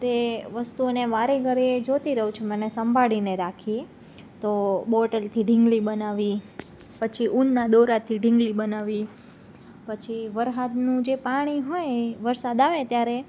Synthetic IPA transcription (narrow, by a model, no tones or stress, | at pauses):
t̪eʋəst̪uoneʋaɾeɡəɾied͡ʒot̪iɾəɦũt͡ʃʰemənesəmbʱaɭineɾakʰie | t̪obɔʈəlt̪ʰiɖʱɪ̃ŋɡlibənaʋi | pət͡ʃʰiʔunːad̪oɾat̪ʰiɖʱĩŋɡlibənaʋi | pət͡ʃʰiʋəɾɦad̪nũd͡ʒepaɽ̃iɦojeʋəɾsad̪aʋet̪jaɾe